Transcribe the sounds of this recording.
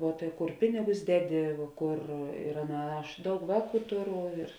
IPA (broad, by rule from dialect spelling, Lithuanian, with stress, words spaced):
ʋuɔ tɐɪ ˈkʊr ˈpʲɪnʲɪɡʊs ˈdʲæːˌdʲɪ ˈkʊr ɪr ˈɑːˌnɐ ˈɐʃ ˈdɐʊk ˈʋɑːˌkuː ˈtʊˌrʊ ɪr